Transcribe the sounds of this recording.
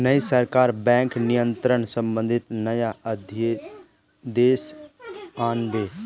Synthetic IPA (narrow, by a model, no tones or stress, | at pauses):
nəisəɾkaːɾbɛ̃ːŋknijə̃nt̪ɾəɳsə̃mbə̃nd̪ʱɪt̪nɐjaəd̪ʱje | d̪eːs | aːnbeː